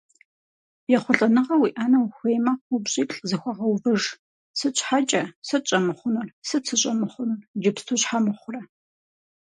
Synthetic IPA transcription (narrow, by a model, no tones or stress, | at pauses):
jɛχʷʊɬʼɐnɨʁɐwiːʔaːnɐwxʷeːjmaqʷubɕʼiːtʼzɨxʷɐʁɐwvɨʐ | sɨt͡ʃʷħat͡ʃʼɐsɐt͡ʃʼɐmɨχʷʊnʊrsɐt͡sʰɨɕʼɐmɨχʷʊnurd͡ʒɪpstʰoɕħamɨχʷʊrɐ